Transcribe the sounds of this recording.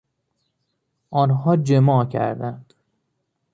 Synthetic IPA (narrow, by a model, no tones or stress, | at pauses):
ʔɒːnɦɒːd͡ʒemɒːcʰæ̰ɾd̪ænd̪̥